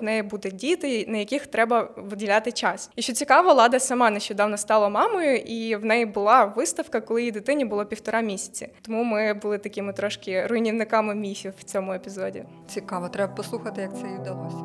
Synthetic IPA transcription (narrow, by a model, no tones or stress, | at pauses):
nɛjibud̪ɛdʲit̪ɛnɐjɐkʲɪxt̪ɾɛbɐʋɪdʲilʲat̪ɪt͡ʃɑsiʃt͡ʃɔt͡sʲikɑʋɐlˠɑd̪ɐsɐmɑnɛʃt͡ʃɔd̪ɑwnɐst̪ɑlˠɐmɑmɔjʊʔiwnɛjibʊlˠɑʋɪst̪ɐwkɐkɔlˠɪjid̪ɪt̪ɪnʲibʊlˠɔpʲiwt̪ɔɾɑmʲisʲɐ̥t͡sʲɐ̰t̪ɔmumɪbʊlˠɪt̪ɐkʲɪmɪt̪ɾɔʃkɪrʊjnʲiwnɪkɑmɪmʲifʲiwt͡sʲɔmʊepʲizɔdʲḭ | t͡sʲikɑʋɐt̪ɾɛbɐpɔslˠuxɐt̪ɪjɐk̚t̪sɛjid̪ɐlˠɔsʲɐ